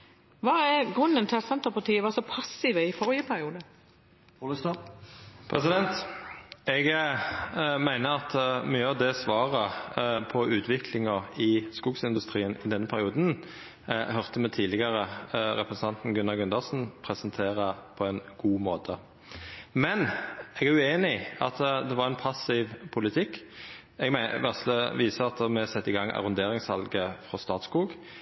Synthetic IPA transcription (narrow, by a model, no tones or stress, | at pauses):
ʋɑːæɾɡʁʉnːənt̪ʰɪlsɛnt̪əpɑʈ̪iːəʋɑːsɔpʰɑsɪʋəɪfɔɾjəpʰæɾɪuːd̪ə | əst̪ɑ | pʰʁɛsɪd̪ɛnt̪ | ɛɡ | mæɪnəɑt̪myːəɑʋd̪ɛsʋɑːʁəpʰɔʉːt̪ʰʋɪkʰlɪŋəɪskʊksɪnd̪ʉst̪ʁiːənɪd̪ɛnːəpʰæɾɪuːd̪n | ɦœʁt̪əmɛt̪ʰiːlɪɡəʁəɾɛpʰɾsn̩ʰɑnt̪n̩ɡʉnːɑɡʉnd̪ɑsn̩pʰʁɛsənt̪ʰeːʁəpʰɔɛnɡ̥uːmoːt̪ʰə | mɛnɛɡæʁʉeːnɪɑt̪d̪ɛʋɑʁɛnpʰɑsɪʋpʰʊlɪt̪ʰɪkː | ɛɡmʋæʁsləʋiːsəɑt̪mɛsɛt̪ːɪɡɑŋɑ̰ʁʊnd̪eːʁɪŋshɑlɡəfʁɔst̪ɑːt̪skuːɡ